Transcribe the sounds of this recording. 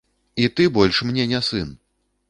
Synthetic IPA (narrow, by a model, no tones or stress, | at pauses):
it̪ɨbɔlʲʂmnʲɛnʲɛsɨn